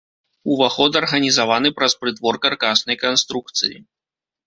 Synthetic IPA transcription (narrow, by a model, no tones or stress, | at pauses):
uvaxɔd̪ɐrɣɐnʲizavanɨpɾɐspɾɨt̪vɔrkarkasnɐjkanst̪ɾuk̚t̪sɨjḭ